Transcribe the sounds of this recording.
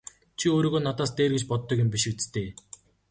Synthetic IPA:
t͡ɕʰioːɾiːɣoːnat̪aːst̪eːrɣĕt͡ɕpɔt̪ːɞ̆kʲʊmpʲiʃɪ̆k̚t͡st̪ʰeː

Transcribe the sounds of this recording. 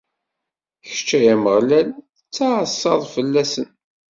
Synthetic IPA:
çə̥t͡ʃːæjæməʁlæl | ət͡sːɑsːɑðˤfəlːæsən

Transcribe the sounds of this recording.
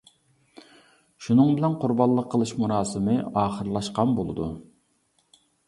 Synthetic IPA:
ʃunɨŋbɪlɛnqʰʊɾbɑlˠːəqʰːəlˠɨʃmunɑːsɨmɨɑːχəɾlˠɑʃqɑnbolˠɨ̰d̪ṵ

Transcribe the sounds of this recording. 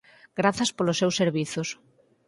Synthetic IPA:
ɡ̥ɾaθɐspolosːewseɾβiθos

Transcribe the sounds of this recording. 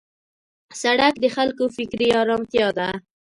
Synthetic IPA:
saɽakd̪əxalkofɪkɾiɑɾɑmt̪jɑd̪a

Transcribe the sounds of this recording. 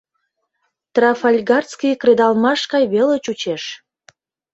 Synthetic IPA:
t̪rɑfɑlʲɡɑrt͡skijkred̪ɑlmɑʃkɑjβelet͡ɕut͡ɕeʃ

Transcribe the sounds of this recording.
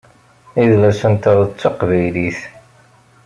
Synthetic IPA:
iðlæsənt̪əðˤt͡sːoqvæjliθ

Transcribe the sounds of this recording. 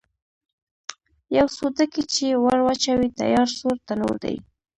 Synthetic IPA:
jawsod̪akit͡ʃewaɽwat͡ʃawit̪a̰jɑɾsoɾt̪ano̰ɾd̪a̰j

